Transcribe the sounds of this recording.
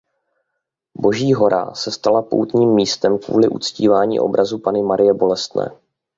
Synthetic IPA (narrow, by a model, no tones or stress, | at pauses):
bo̞ʒiːɦo̞ɾʔa̰sɛst̪alapo̰wt̪ɲiːmːiːst̪ɛmkvṵːlɪʔṵt͡sciːvaːɲḭːʔo̞̰bɾʔazupanɪmaɾɪjɛbo̞lɛst̪nɛ̰ː